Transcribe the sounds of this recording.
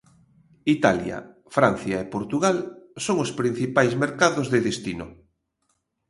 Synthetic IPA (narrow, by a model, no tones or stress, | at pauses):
it̪aljɐ̰ | fɾan̟θjaepoɾt̪uɣalsoŋospɾin̟θipajzmeɾkaðozðeðest̪inʊ